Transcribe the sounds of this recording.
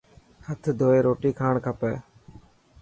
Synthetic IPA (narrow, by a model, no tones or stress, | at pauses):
hət̪ʰd̪ʱoːeːɾoːʈiːkʰaːɳkʰəpɛː